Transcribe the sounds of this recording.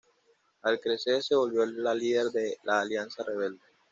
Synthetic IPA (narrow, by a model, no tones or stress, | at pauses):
alkɾeseɾseβo̞lβjoaliðeɾd̪elaːljansareβeld̪e